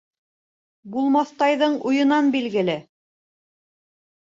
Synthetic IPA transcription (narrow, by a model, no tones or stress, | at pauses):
bulˠmɑθt̪ɑjðɤɴujɤ̆nɑnbilɡɘ̆lɘ